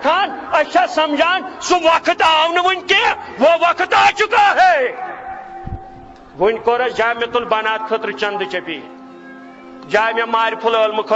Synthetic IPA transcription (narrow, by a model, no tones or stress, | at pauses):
kʰaːnɐʃʰasɐmd͡ʒaːnsuʋɐkʰɨt̪aːwnɨʋunʲkeʋoʋɐkʰət̪aːt͡ʃukaːɦe | ʋunʲkoːɾɐd͡ʒaːjmʲɐt̪ulbɐnaːt̪̚kʰɐt̪ɾɨt͡ʃɐnd̪ɨt͡ʃɐpi | d͡ʒaːjmɐmaːɾʲipʰuləːlmɨkʰə